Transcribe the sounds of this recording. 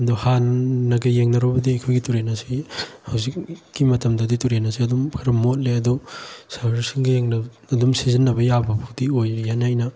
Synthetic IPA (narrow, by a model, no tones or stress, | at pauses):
nduhanːɐɡɐjeŋnɐɾɔbɐdiɐjkʰojɡituɾenɐsihawzikɡimɐtɐmdɐdituɾenɐsiɐdumkʰɐɾɐmːot̚leɐdusaɾɾisiŋɡɐjeŋnɐ | ɐdumsizinːɐbɐjabɐpʰudiojɾijanajnɐ